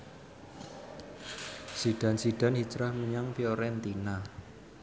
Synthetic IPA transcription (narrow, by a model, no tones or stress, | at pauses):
siɖ̥a̤nsiɖ̥a̤nhit͡ʃɾahməɲaŋfioɾɛnt̪ina